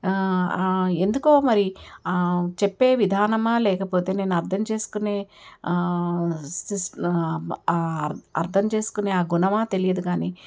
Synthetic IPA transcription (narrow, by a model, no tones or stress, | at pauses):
e̞nd̪ukoːmɐɾi | t͡ʃepːe̞ːʋid̪ʱaːnɐmaːlɛːkɐpo̞ːt̪e̞ːne̞ːnuɐɾt̪ʰɐmt͡ʃe̞ːsu̥kune̞ː | is | ɐ̰ɾt̪ʰɐmt͡ʃe̞ːsu̥kuneːaːɡunɐmaːt̪e̞lijɐd̪uɡaːniː